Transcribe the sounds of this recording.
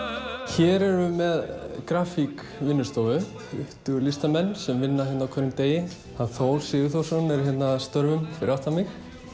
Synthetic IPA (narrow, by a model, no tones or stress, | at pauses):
çɛːɾɛɾʏmɛðkɾaːfik | vɪnːʏst̪oːvʏ | ʏht̪ʏɣlɪst̪amɛnːsɛmvɪnːḁçɛt̪nawkʰœɾʏmt̪eːjɪ | θaðθoːwlsɪðʏθowsɔnɛɾ̥çjɛt̪nast̪œɾvʏmfɪɾɪawht̪amɪx